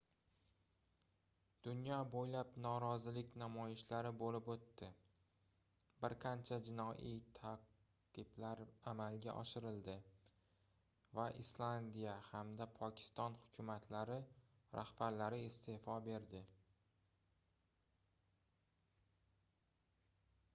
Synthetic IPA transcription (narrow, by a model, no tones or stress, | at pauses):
d̪̥ʊnjɒbojlapnɒɾɒzɪlɪkʲnamɒjɪʃlaɾɪbolɪpot̪ʰːɪ | bɪɾqʰant͡ʃʰad͡ʒɪnɒʔit̪ʰa | qɨblaɾamalɡʲa̰ʔɒ̰ʃɪɾɪld̪ɪ | vaʔɪslˠand̪ijahamd̪apʰɒkʲʰɪ̥st̪ɒnhʊkʲʰʊmat̪ʰlaɾɪ | ɾa̰hbaɾlaɾɪɪst̪ʰe̞fɒbe̞ɾd̪ɪ